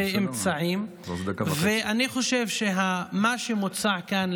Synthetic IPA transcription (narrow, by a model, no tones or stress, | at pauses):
emt͡saʕim | veʔaniχo̞ʃevʃeɦamaʃemot͡saʕkan